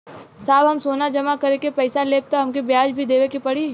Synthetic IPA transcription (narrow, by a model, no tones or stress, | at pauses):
saːbɦɐmsoːnad͡ʒɐmakɐɾekepɛːsaleːp̚t̪aɦɐmkibjaːd͡ʒbʱid̪eːʋekipɐɽiː